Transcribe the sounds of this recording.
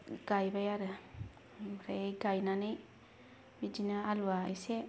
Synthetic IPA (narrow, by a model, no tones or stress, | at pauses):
ɡ̥ajbajaɾɯ | ɾaɡajnanɯj | bid͡ʒinaaluwaa̰jse